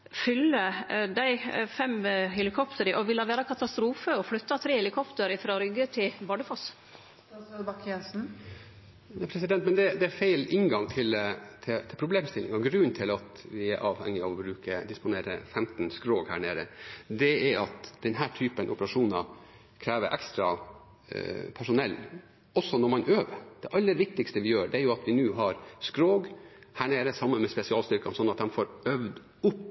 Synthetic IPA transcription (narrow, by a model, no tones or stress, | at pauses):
fʏlːəd̪æɪfɛmhɛlɪkʰɔpt̪ʰəɾəʔɔʋɪlɑʋæːɾɑkʰɑt̪ɑst̪ɾuːfəɔflʉt̪ːɑt̪ʰɾeːhɛlɪkʰɔpt̪əɾɪfɾɑɾʏɡət̪ʰɪlbɑɖəfos | bɑkʰɛnsn̩ | næpʰɾɛsɪd̪ɛnt̪mɛnd̪ɛd̪ɛæfæɪlɪŋɡɑŋt̪ʰɪlt̪ʰɪt̪ʰɪlpʰɾʊbleːmst̪ɪlːɪŋɑɡɾʉnːt̪ʰɪlɑt̪ʋɪæɾʔɑːʋhɛ̰ŋːɪɑʋɔbɾʉːkəd̪ɪspʊneːɾə̰fɛmt̪nskɾoːɡhæ̰ːɳeːɾəd̪ɛæɾɑt̪d̪̥ɛnɦæːʈʰyːpənʔɔ̰pəɾɑʂuːnɑ | kʰɾæːʋəɾʔɛ̰kst̪ɾɑ̰ | pʰæʂʊnɛlː | ɔsːɔnɔɾmɑnøːʋəɾd̪̥ɛʔɑlːəɾʋɪk̚t̪ɪkst̪əʋɪjøːɖɛæjʊɑt̪ʰʋɪnʉːɦɑɾskɾoːɡhæːɳeːɾəsɑmːənmɛspɛsɪɑːlst̪ʏɾkɑnsɔnːɑt̪̚d̪ɛmfoːɾœʋd̪ | ʊpː